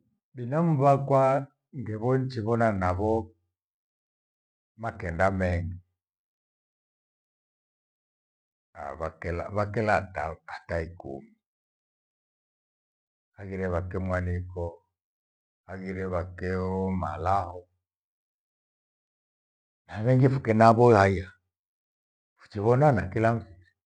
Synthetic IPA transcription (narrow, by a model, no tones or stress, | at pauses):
ɓinamuβakwa | ŋɡɛβɔnt͡ʃiβɔnanaβɔ | makɛndamɛŋɡa | a̰βakɛlaβakɛlataataikṵmi | aɣiɾɛβakɛmwanikɔ | aɣiɾɛβakɛɔmalahɔ | namɛŋɡifukɛnaβɔhaija | fu̥t͡ʃiβɔnanakilamviɾ